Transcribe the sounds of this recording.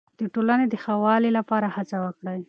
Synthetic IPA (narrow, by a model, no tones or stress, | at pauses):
d̪̥əʈolaned̪əxawɑlelapɑɾahat͡sawəkɽaj